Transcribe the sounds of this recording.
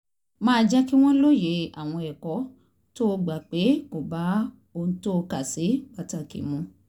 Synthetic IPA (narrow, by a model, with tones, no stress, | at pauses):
mãː˦˧d͡ʒɛ˦ki˦w̃ɔ̃˦lo˦je˨˦a̰˦˨w̃ɔ̃˧ɛ˨kɔ˨˦ | to˦˧ɡ͡ba˨k͡pe˨˦ko˨ba˨˦ | o˧nũ˦to˦˧ka˦˨si˨˦ɡ͡ba˨ta˨kḭ˨mũ˧˦